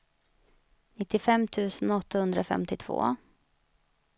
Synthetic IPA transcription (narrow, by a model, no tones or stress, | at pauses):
nɪt̪ːɪfɛmːt̪ʰʉ̟ːsənɔt̪ːahɵnd̪ɾafɛ̰mt̪ɪt̪ʰv̥o̰ː